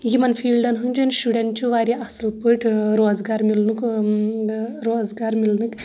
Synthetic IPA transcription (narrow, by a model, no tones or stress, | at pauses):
jimɐnfʰiːlɖɐnɦunʲd͡ʒunʃuɖeɳʈt͡ʃʰuʋaːɾʲiʔɐsɨlpɨʈʰʲɾoːzɡaːɾmilnuk | ɾoːzɡaːɾmilnɨkʲ